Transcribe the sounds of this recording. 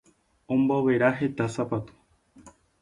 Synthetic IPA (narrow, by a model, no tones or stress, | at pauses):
õmboβeɾaɦet̪asapat̪u̥